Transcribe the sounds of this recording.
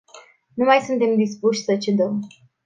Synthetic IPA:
numajsunt̪e̞md̪ispuʃʲsət͡ʃed̪əm

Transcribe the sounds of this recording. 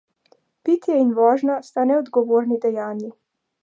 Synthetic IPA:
pit̪jɛinʋɔːʒnast̪anɛɔd̪ɡɔʋoːɾnid̪ɛjaːnji

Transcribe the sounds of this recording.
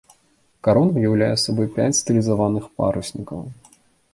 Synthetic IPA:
kaɾɔnvɨjawlʲajɛsɐbɔjpʲat͡sʲst̪ɨlʲizavanɨxpa̰ɾusʲnʲikɐ̰w

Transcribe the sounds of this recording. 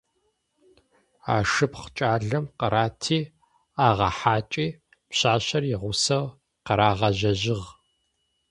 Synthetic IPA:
a̰ːʂɨpχt͡ʃʼaːɮɐmqɐɾʔaːtʰiː | aːʁɐħaːt͡ʃʼiː | pɕaːɕɐrjɪʁʷʊsɐw | qɐɾaːʁɐʑɐʑɪʁ

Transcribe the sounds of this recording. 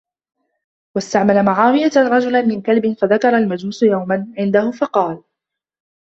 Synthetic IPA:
wast̪aʕmalamaʕaːwɪjaɾˤɑd͡ʒʊlnmɪnkalbɪnfaðakɑɾˤɑlmad͡ʒuːsʊjawmanʕɪnd̪ahʊfɑqɑːl

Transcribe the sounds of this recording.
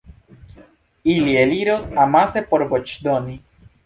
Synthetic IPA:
ilieliɾosamasepoɾbot͡ʃd̪oni

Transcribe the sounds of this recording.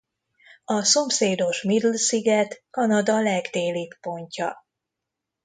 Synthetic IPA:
ɒso̞mseːd̪o̞ʃmid̪lsiɡɛt̪kɒnɒd̪ɒlɛɡd̪eːlipːo̞ɲcɒ̰

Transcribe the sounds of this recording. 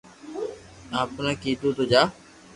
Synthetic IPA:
ãːpnãːkiːt̪uːt̪od͡ʒaː

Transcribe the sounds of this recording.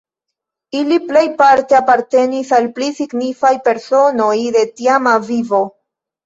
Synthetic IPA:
iliple̞jpaɾte̞apaɾte̞nisalplisiɡnifajpe̞ɾso̞no̞jde̞tiamavivo̞

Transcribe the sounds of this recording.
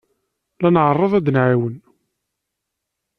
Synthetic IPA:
lænʕərˤːəðˤæd̪ənʕawən

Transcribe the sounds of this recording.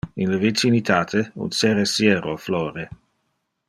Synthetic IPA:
inləvit͡ʃinit̪ʰaːt̪ʰeṵnseɾesjɛːɾofloːɾe

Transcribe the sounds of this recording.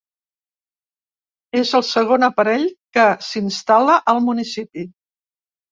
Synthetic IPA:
ezəlˠsəɣ̞onəpəɾɛʎkəsinst̪aləʔəlˠmunisipi

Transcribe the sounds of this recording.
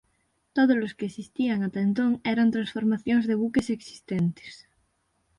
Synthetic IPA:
t̪oð̞ozloskeːsist̪iaŋat̪ant̪̬oŋeɾant̪ɾãnsfoɾmaθjoŋzðeβukeseksi̥st̪ent̪e̥s

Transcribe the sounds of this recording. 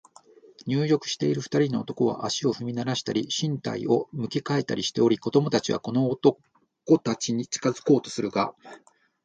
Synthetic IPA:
ɲ̟ɨːjo̞kɯ̟̥ɕi̥t̪e̞iɾɯ̟ɸɯ̥t̪aɾʲino̞ːt̪o̞ko̞β̞a̰ʔaɕio̞ɸɯ̟mʲinaɾaɕi̥t̪aɾʲiɕĩnt̪a̰ḭʔo̞mɯ̟kʲikae̞t̪a̰ɾʲiɕi̥t̪e̞o̞ɾʲiko̞d̪o̞mo̞t̪at͡ɕiβa̰ko̞no̞ːt̪o̞ | kot̪at͡ɕiɲ̟it͡ɕɨ̥kazɨ̥ko̞ːt̪o̞̥sɨɾɯ̟ɡa̰

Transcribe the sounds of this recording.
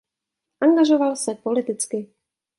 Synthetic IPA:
ʔaŋɡaʒovalsɛpolɪt̪ɪt͡skɪ

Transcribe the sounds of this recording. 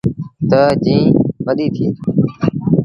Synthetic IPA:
t̪əd͡ʒĩːʋəɗiːt̪ʰiː

